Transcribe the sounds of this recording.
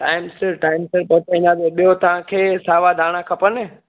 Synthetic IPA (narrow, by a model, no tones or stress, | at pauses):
ʈaːɪmsɪɾʈaːɪmsɪɾpɐt̪aĩnd̪ad̪eɓijot̪ɐʋ̤ãkʰeːsaːʋad̪ʱaːɽ̃akʰɐpənɪ